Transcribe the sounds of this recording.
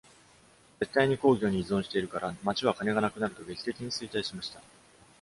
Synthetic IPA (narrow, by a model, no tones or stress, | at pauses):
d͡ze̞t̪ːaiɲ̟iko̞ːɡʲo̞ːɲ̟iizõɕi̥t̪e̞iɾɯ̟kaɾamat͡ɕiβ̞akane̞ɡanakɯ̟naɾɯ̟t̪o̞ɡe̞kʲi̥t̪e̞kʲiɲ̟isɨit̪aiɕimaɕi̥t̪a